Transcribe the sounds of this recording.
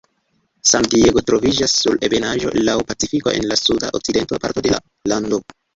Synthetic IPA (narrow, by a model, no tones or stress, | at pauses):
sandieɡo̞tɾo̞vid͡ʒasːuɾe̞be̞naʒo̞̰lawpat͡sifiko̞̰ʔe̞̰nlasuda̰ʔok̚t͡side̞ntopaɾto̞de̞la̰ | lando̞